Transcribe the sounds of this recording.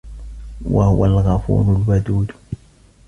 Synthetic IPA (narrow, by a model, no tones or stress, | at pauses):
wa̰hʊwalɣɑfṵːɾʊlwad̪uːd̪